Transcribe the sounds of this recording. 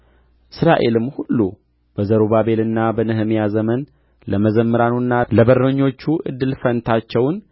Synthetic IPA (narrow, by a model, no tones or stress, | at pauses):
ʔɨsɾaʔe̞lɨmhulːu | b̥əzəɾoβabe̞lɨnːabənɨɦɨmjazəmən | ləməzəmːɨɾanunːaləbəɾnəɲːo̞t͡ʃːuʔɨ̰d̪ːɨlfənt̪ʰat͡ʃːɛwn